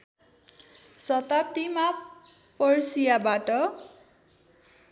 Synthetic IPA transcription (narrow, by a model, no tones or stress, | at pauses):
sʌt̪ap̚t̪ima | pʌrsijabaʈʌ